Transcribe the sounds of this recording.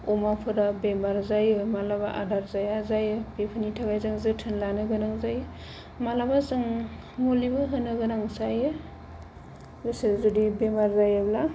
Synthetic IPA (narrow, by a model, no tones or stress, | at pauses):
ɔmapʰɯɾabemaɾzajɯmalabaʔadaɾzajazajɯpepʰɯnitʰaɡajzaŋzɯtʰɯnlanɯɡɯnaŋzajɯ | malabazɯŋ | molibɯɦɯnɯɡɯnaŋsajɯ | ɡɯsezudibemaɾzajabla